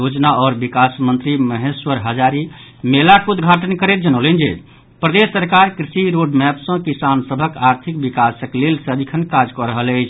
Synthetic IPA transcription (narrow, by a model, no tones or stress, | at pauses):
jod͡ʒnaɔɾbikasmənt̪ɾiməɦeswəɾɦəd͡ʒaɾimelakud̪ɡʱaʈənkəɾet̪̚d͡ʒənələnd͡ʒe | pɾəd̪esːəɾkaɾkɾisiɾoɖmɛpsə̃kisansəbʱəkaɾt̪ʰik̚bikasəklelsəd̪ikʰənkad͡ʒkɔɾəɦələɪt͡ʃʰ